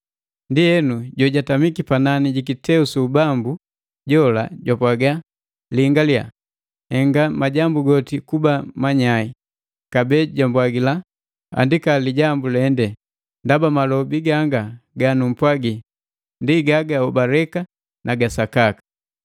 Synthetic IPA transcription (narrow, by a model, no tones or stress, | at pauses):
ndiɛnuɟɔɟatamikipananiɟikitɛusuubambu | ɟɔla̰ɟwapwaɡa | liŋɡalja̰ | hɛŋɡamaɟambuɡɔtikubamaɲai | kabɛɟambwaɡila | a̰ndikaliɟambulɛndɛ | ndabamalɔbiɡaŋɡaɡanum̩pwaɡi | ndiɡaɡaɔbaɾɛka | nʔaɡasakakḁ